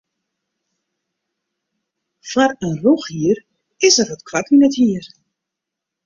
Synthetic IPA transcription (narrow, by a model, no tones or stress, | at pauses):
farənroxhiər | ɪsərʋɔtkʰwatynɛthiər